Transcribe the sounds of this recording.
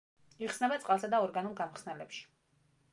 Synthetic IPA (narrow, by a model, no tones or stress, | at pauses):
iχsnɛbat̪sʼqʼalˠsad̪aɔɾɡanulɡamχsnɛlɛpʃi̥